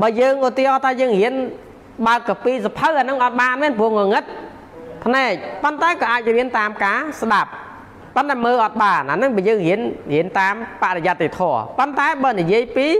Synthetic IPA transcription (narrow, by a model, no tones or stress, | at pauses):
ɓaːjəːŋʔot̪ihɑːt̪ʰaːjəːŋhiən | ɓaəkːɑpiːsapʰəwʔanɨŋʔɑt̪̚ɓaːnʋɛənpuəhŋoŋɨt̪̚ | pʰnaɛk̚pont̪aɛkɑːʔaːc̚riənt̪aːmkaːsɗap̚ | pont̪aɛməːʔɑt̪̚ɓaːnʔa̰nɨŋɓaːəjəːŋhiənhiənt̪aːmpaʔɾejat̪ːet̪ʰɔəpont̪aɛɓaːnijiəjpiː